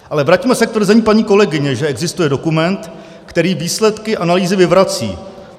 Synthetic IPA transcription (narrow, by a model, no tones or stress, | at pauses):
ʔalɛvɾaciːmɛsɛkt̪vr̩zɛɲiːpaɲiːko̞lɛɡɪɲɛʒɛɛɡzɪst̪ujɛdo̞kumɛnt̪ | kt̪ɛɾiːviːslɛt̪kɪʔanaliːzɪvɪvɾat͡sḭː